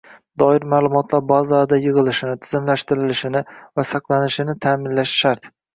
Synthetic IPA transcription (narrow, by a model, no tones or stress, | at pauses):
d̪ɒɪɾmaːlˠʊmɒt̪ʰlaɾbazad̪ajɨʁɨlˠɪʃɪnɪt̪ʰɪzɪmlaʃt̪ɪɾɪlɪʃɪnɪvasɑqlˠanɪʃɪnɪt̪ʰaːmɪnlaʃʃaɾt̪